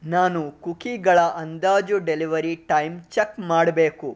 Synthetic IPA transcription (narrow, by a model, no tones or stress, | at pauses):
naːnukukiɡɐɭɐʔɐnd̪aːd͡ʒuɖeliʋɐɾiʈɐjmt͡ʃekmaːɽbe̞ːku